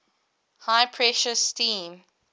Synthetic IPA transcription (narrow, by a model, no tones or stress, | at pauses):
haɪpʰɹɛʃəstĩːm